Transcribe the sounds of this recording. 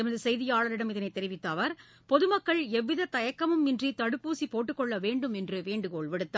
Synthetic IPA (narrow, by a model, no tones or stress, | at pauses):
ɪmɐðɯsɛjðɪjaːɭɐɾɪɽɐmɪðɐnɐɪt̪ːɛɾɪʋɪt̪ːɐʋɐɾ | pɔðɯmɐkːɐɭɛʋːɪðɐt̪ːɐjɐkːɐmɯmɪndrit̪ɐɽɯpːuːsipoːʈːɯkːɔɭːɐʋeːɳɖɯmɛndrɯʋeːɳɖɯkoːɭʋɪɽɯt̪ːa